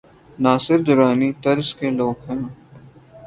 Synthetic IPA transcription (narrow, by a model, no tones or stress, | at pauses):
naːsɪɾd̪ʊɾaːnit̪ɐɾzkeloːɡɦɛ̃ː